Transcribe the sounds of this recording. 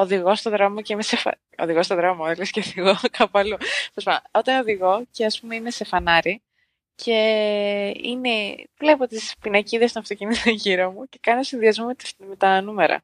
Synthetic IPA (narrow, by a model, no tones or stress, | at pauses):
oðiɣo̞st̪o̞ðɾo̞moceimesefɐ̰ | o̰ðiɣo̞st̪oðɾo̞moelesceoðiɣokʰɐpɐlueospɐnoot̪ɐnoðiɣo̞ce̞ɐspume̞inese̞fɐnɐɾi | cʰe̞ | ḭne̞vle̞po̞t̪ispinɐciðest̪onɐft̪o̞cinit̪oɲʝiɾomuce̞kɐnoosinðiɐzmo̞mt̪me̞t̪ɐnumeɾɐ̰